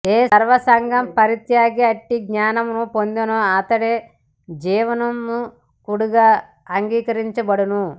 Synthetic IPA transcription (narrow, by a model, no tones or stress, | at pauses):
eːɐɾʋɐsɐŋɡʱɐmpɐɾit̪jaːɡiɐʈːiɡɲaːnɐmnupond̪inoɐt̪ɐɽeː | d͡ʒiːʋɐnɐmnu | kuɽuɡaː | ŋɡiːkɐɾiɲt͡ʃɐbɐɽɐnu